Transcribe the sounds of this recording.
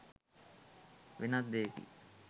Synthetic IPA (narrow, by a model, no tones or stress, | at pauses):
ʋenat̪d̪eːkḭ